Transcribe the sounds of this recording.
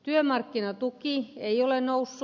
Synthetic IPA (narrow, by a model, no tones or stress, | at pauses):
t̪yømɑrkːinɑt̪ukieiolennousː